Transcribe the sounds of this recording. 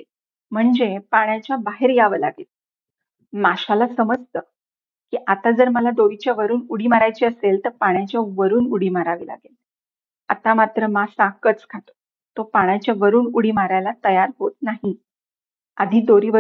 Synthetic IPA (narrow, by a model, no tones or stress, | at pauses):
m̤əɳd͡zepaɳjat͡ɕjabaɦeɾjaʋəla̰ɡel | maɕalasəməd͡zt̪ə | kiːʔat̪ad͡zəɾməlad̪oɾit͡ɕjaʋəɾuːnuɽiːmaɾajt͡ɕiːəselt̪əɾpaɽ̃jat͡ɕjaʋəɾuːnuɽ̤iːmaɾaʋila̰ɡel | at̪amat̪ɾəmasãkət͡skʰat̪o̥ | t̪opaɳ̃jat͡ɕjaʋəɾuːnuɽiːmaɾajlat̪əjaɾɦot̪̚naɦi | a̰d̪ʱiːd̪oɾiːʋə